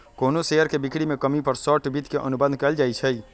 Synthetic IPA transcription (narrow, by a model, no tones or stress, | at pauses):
konoseəɾkebikɽimekəmipəɾsəʈbid̪ʱkeʔənubə̃nd̪̚ʱkɛld͡ʒajt͡ʃʰəj